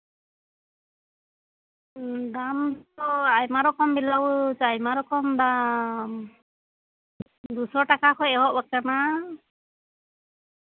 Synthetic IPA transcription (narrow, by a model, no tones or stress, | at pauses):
d̪amɔajmaɾɔkɔmbilawt͡ʃajmaɾɔkɔmd̪a | d̪usɔʈakakʰɔjɛɦɔʔbak̚kana